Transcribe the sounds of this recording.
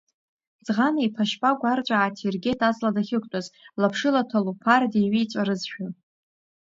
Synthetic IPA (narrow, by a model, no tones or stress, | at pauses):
zʁanaipʰaʃpʼaɡʷart͡ɕʷʼaʕatʰirɡʲe̞tʰʼat͡sʼladaχʲɪkʷʼtʷʼazlapʰʂɨlatʰalupʰardeɥit͡ɕʷʼaɾɨzʃᶣa